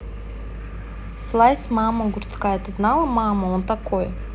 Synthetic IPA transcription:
slˠasʲmaməɡʊrt̪skajət̪ɨznalˠəmaməont̪ɐko̞j

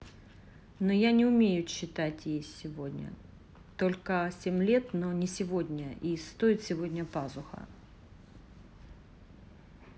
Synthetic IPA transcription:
nojanʲɪʊmʲejʊɕːɪt̪atʲjejsʲɪvo̞dʲnʲə̰ | t̪o̞lʲkəsʲemʲlʲe̞t̪nonʲɪsʲɪvo̞dʲnʲəist̪o̞ɪt̪sʲɪvo̞dʲnʲəpazʊxə̰

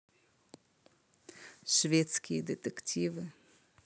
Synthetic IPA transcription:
ʂvʲɛt̪skʲijd̪ɨt̪ɛktʲʰivɨ

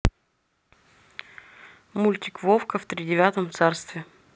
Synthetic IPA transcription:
mulʲt̪ʲɪkvofkəft̪ɾʲɪdʲɪvʲat̪əmt̪sarst̪vʲɪ

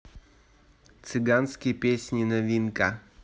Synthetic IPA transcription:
t̪sɨɡanskʲɪjpʲesʲnʲɪnɐvʲinka

